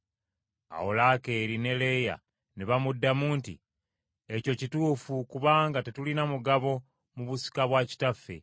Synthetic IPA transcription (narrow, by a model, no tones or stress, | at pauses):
a̰wolake̞ːɾine̞le̞ja̰ | neβamudːamuːntḭ | eco̞cituːfukuβaːŋɡate̞tulinamuɡaβo̞ | muβusi̥kaβwaci̥tafːe̞̰